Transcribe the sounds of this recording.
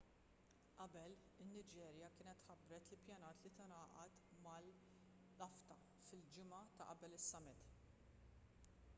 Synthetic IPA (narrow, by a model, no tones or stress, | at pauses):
ʔɐbɛl | ɪnːɪd͡ʒɛːɾjɐkɪːnɛt̪ħɐbɾɛt̪ɪlpjɐnɐːt̪lit̪ɐnɐːʔɐt̪mɐlː | ɐft̪ɐ | fɪld͡ʒɪmɐt̪ɐʔɐbɛlɪsːɐmɪt̪